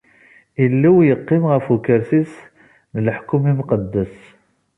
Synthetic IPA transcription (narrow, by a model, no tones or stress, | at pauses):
ilːiwjəqːɪmʁəfukəɾsis | nəlħkːumimqəd̪ːəs